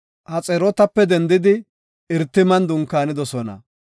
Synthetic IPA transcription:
ʔɐt͡sʼɛɾɔt̪ɐpːɛd̪ɛnd̪ɪd̪ɪ | ɪɾt̪ːɪmɐnd̪ʊŋkːaːnɪd̪ɔsɔnɐ̰

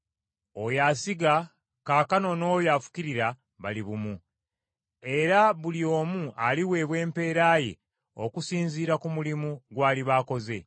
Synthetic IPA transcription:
o̞jasiɡa | kaːkano̞no̞ːjafu̥ciɾiɾa | βaliβumu | e̞ɾaβulio̞ːmualiwe̞βwe̞ːmpe̞ːɾaːjḛ | o̞̰kusiːnziːɾakumulimuɡwaːliβako̞ze̞

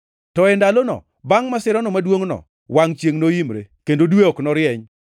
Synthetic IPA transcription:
tɔɛndalonɔ̰ | baŋmasɪɾɔnɔmadwoŋnɔ̰ | waŋt͡ʃjeŋnoimɾḛkendodweɔknɔɾɪɛɲ

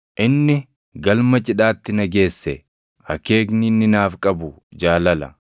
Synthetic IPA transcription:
ʔɪnːɪ | ɡɐlmɐt͡ʃʼɪᶑaːt̪ːɪnɐɡe̞ːsːɛ | hɐ̰keːɡnɪnːɪnaːfkʼɐbʊ | d͡ʒaːlɐlɐ̰

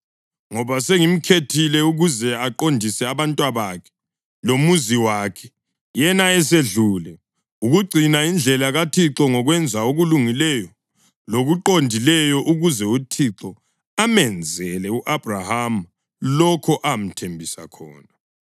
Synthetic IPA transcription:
ŋɔβaseŋim̩kʰetʰilɛuɣuzɛaǃondʱisɛaβantʼwaβakʰɛ̥ | lomuziwakʰɛ̥ | jɛnaɛseɮuːlɛ | uɣuɡ͡ǀʱinaind͡ɮʱɛlaɣatʰiǁɔŋɔɣwɛnd͡zʱaoɣuluŋilɛjɔ | loɣuǃondʱilɛjɔʔuɣuzɛutʰiǁɔ | amɛnd͡zʱɛlɛuʔab̥ʱraham | lɔkʰɔʔam̩tʰembʱisa̰kʰɔ̰ːna

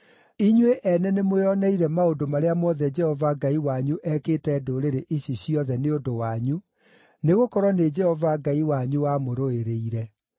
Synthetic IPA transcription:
iɲweʔɛnɛnemweɔnɛiɾɛmaodomaɾeamɔðɛd͡ʒɛhɔvaɡaiwaɲuʔɛkeːtɛːdoɾeɾeʔiɕiɕiɔðɛneodowaɲu | neɣokɔɾwɔned͡ʒɛhɔvaɡaiwaɲuwamoɾoeɾeiɾɛ

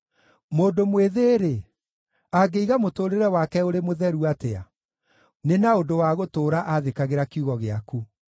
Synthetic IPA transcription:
moːndomweðeːɾe | aɡeiɣamotoːɾeɾɛwakɛoɾemoðɛɾuatea̰ | nenaondowaɣotoːɾaʔaðekaɣeɾakiuɣɔɣeaku

